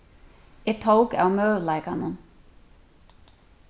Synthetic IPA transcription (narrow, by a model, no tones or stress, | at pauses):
ɛt̪ʰowkawmœːvlajkanʊm